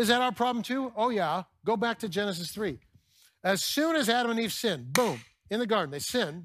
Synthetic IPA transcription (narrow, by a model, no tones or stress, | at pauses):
ɨzðɨɾaʊə˞pʰɹ̥ɑblm̩tʰʉoʊjæɡ̥oʊbæk̚tʰɨd͡ʒɛnɨs̬ɨsθɹi | ɨz̥sʉ̃nɨzæɾə̃mɨ̃niv̥sɪ̃nbũm | ɨ̃nðɨɡɑɹdⁿn̩ðeɪsɪ̃n